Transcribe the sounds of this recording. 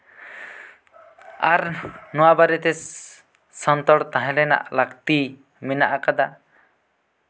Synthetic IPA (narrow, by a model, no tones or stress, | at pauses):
aɾnɔwabaɾɛt̪ɛ | sɔnt̪ɔɽt̪aɦɛ̃lɛna̰ʔlakt̪i | minaʔakad̪a